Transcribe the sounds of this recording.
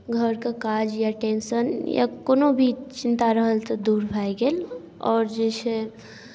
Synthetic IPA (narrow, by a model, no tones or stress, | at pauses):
ɡʱəɾkakad͡ʒjaʈeːnsənja̰koːnobʱit͡ʃɪnt̪aɾəɦəlt̪əd̪uːɾbʱajɡeːl | ɔ̰ːɾd͡ʒɛse